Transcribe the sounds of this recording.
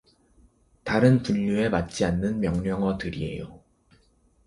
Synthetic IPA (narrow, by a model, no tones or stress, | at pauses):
taɾɯnpuʎːue̞mat̚t͡ɕ͈ianːɯnmjʌŋɲʌŋʌtɯɾie̞̰jo̰